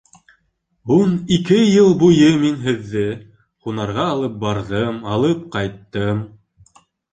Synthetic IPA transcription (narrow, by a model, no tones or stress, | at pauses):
unikɘjɤlˠbujɤminɦɘ̆ðːɘ | χunɑɾʁɑːlˠɤp̚bɑɾðɤmɑlˠɤp̚qɑjt̪ːɤm